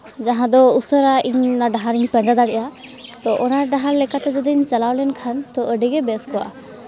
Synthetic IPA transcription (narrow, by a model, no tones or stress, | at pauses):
d͡ʒaɦãd̪ɔusəɾaʔiɲnaɖaɦaɾiɲpə̃d͡ʒad̪aɽɛʔa | t̪ɔʔɔnaɖaɦaɾlɛkat̪ɛd͡ʒɔd̪iiɲt͡ʃalawlɛnkʰant̪ɔʔəɖɛɡɛbɛskɔwa̰ʔa